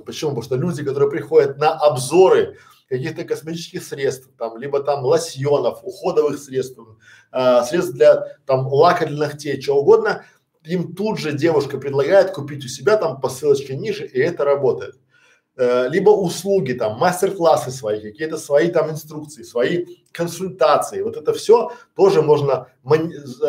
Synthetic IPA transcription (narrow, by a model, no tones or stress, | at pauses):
pət͡ɕɪmupɐoʂt̪olʲudʲɪkɐt̪o̞ɾɨjəpɾʲɪxo̞dʲɪt̪̚nəʔɐbzo̞ɾɨ | kɐkʲixt̪əkəsmʲɪtʲit͡ɕɪskʲɪxsɾʲe̞t̪st̪ft̪amlʲibət̪amlˠɐsʲjonəfʊxo̞d̪əvɨxsɾʲe̞t̪st̪f | əsɾʲet̪st̪d̪lʲɐt̪amlˠakəɾʲlʲɪnɨxtʲet͡ɕɪoʊɡo̞d̪nə | imt̪ud̪ʐɨdʲe̞vʊʂkəpɾʲɪd̪lˠɐɡajɪt̪kʊpʲitʲʊsʲɪbʲat̪ampɐsɨlˠət͡ɕkʲɪnʲiʐɨʔɪɛt̪əɾɐbo̞t̪əjɪt̪̚ː | lʲibəʔʊslˠuɡʲɪt̪amːasʲtʲɪrklˠasɨsvɐikɐkʲijət̪əsvɐit̪amɪnst̪ɾuk̚t̪sɨɪsvɐi | kənsʊlʲt̪at̪sɨɪvo̞t̪ɛt̪əfsʲo̞t̪o̞ʐɨmo̞ʐnə | mə